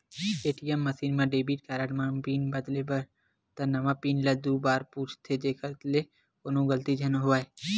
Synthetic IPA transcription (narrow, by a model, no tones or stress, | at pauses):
eːʈijəmːɐsiːnmãɖeːbiːʈ̚kaːɾaʈmapiːnbəd̪lebɐɾ | t̪ɐnɐmapiːnlɐd̪uːbaːɾpuːt͡ʃʰt̪ʰed͡ʒeːkəɾt̪le | konõɡəlt̪id͡ʒʱɐnɦʊaːe